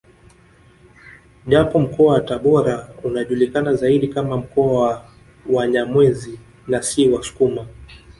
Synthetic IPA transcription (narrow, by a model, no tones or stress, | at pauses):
ʄapɔm̩kɔawataɓɔɾaunaʄulikanazaiɗikamam̩kɔawa | waɲamwɛzi | nasiwasu̥kuma